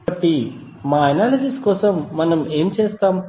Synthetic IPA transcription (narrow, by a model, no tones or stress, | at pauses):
ɐʈːi | maːɐnaːlɐsiskɔːsɐmːɐnɐmeːmit͡ʃeːst̪aːm